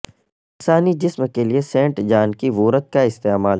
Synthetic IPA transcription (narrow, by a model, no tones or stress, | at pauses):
ɪnsaːnid͡ʒɪsmkeliesẽːɳʈd͡ʒaːnkiʋuːɾət̪̚kaɪst̪eːmaːl